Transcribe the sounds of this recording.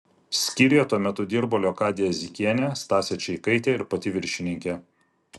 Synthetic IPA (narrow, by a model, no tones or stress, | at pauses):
sʲkʲiɾʲɛt̪uɔmʲɛt̪ʊd̪ʲiɾboːlʲoːkɑːd̪ʲejɛzʲɪkʲiɛnʲeːst̪ɑːsʲɛt͡ʃʲɛikɐɪt̪ʲeːɪɾpɐt̪ʲɪʋʲɪɾʲʃʲɪnʲɪŋʲkʲeː